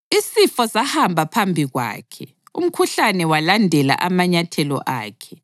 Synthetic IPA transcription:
isifɔsahambʱapʰambʱiɣwa̰ːkʰɛ | ṵm̩kʰuɬanɛwalandʱɛla̰ʔamaɲatʰɛlɔ̰ʔa̰ːkʰɛ

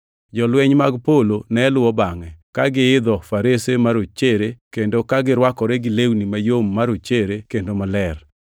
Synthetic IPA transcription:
d͡ʒɔlwɛɲmaɡpolonɛlʊwɔbaŋɛkaɡɪɪd̪ɔfaɾesemaɾot͡ʃeɾekendokaɡɪɾwakɔɾeɡɪlewnimajomːaɾot͡ʃeɾekendomalɛr

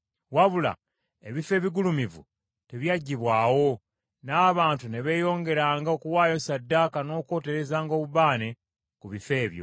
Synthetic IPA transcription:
waβula̰ | e̞βife̞ːβiɡulumivṵ | te̞βjaɟːiβwaːwo̞ | naːβaːntune̞βe̞ːjo̞ːŋɡe̞ɾaːŋɡaokuwaːjo̞sadːaːkano̞ːko̞ːte̞ɾe̞zaːŋɡoːβuβaːne̞ | kuβife̞ːβjo̞̰

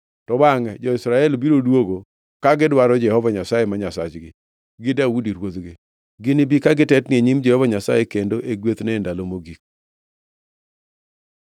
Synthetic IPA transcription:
tɔbaŋɛd͡ʒɔɪsɾaɛlbiɾodwoɡo | kaɡɪdwaɾɔd͡ʒɛhɔvaɲasajemaɲasa̰t͡ʃɡɪ̰ | ɡɪdawudiɾwod̪ɡɪ | ɡɪnɪbikaɡɪtɛtnɪeɲimd͡ʒɛhɔvaɲasa̰jekendoʔeɡwet̪nɛndalomoɡik̚

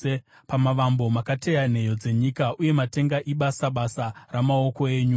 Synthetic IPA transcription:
pamaʋambo̞makate̞jan̤e̞jo̞d͡ze̞ɲikaʔuje̞mate̞ŋɡaʔiɓasaɓasaramao̞ko̞e̞ːɲu

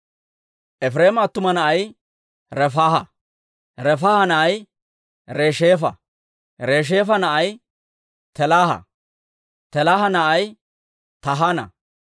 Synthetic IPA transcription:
ʔɛfɾeːmɐːt̪ːʊmɐnɐʔɐj | ɾɛfaːhɐ | ɾɛfaːhɐnɐʔɐj | ɾeːʃeːfɐ | ɾe̞ːʃ̬eːfɐnɐʔɐj | t̪ɛlaːhɐ̰ | t̪ɛlaːhɐnɐʔɐj | t̪ɐɦanɐ̰

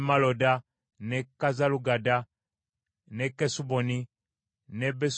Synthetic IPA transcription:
malɔda | nɛkazaluɡada | nɛkɛsubɔni | nɛbɛs

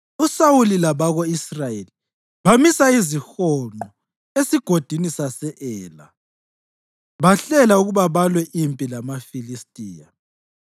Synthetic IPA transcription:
usawulilaβaɣoisrajeli | βamisaizixɔŋ͡ǃɔ | esiɡ̥ʱod̥ʱinisasɛʔɛːla̰ | βaɬɛlauɣuβaβalwɛʔimpʼilamafilistʼiːja

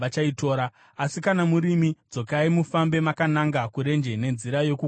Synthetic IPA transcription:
at͡ʃaito̞ːɾa | asikanamuɾimid͡zo̞kaimufambe̞makanaŋɡakuɾe̞nd͡ʒe̞ne̞nziɾajo̞ku

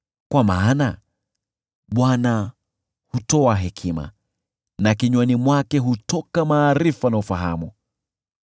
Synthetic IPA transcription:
kwamaːna | ɓwana | hutɔaɦɛkʰima̰ | nakiɲwanimwakɛɦutɔkamaːɾifanaufaɦa̰mu

